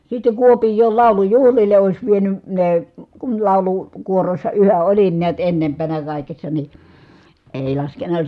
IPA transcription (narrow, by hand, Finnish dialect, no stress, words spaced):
sitːe kuopijˑoːl lɑˑu̞lujuhlile oˑis ʋieny neː kun lɑˑulu kuorosːɑ yhæʔ ʔolin niæt enːempænæ kɑˑikesːɑ ni eˑi lɑskenːɑ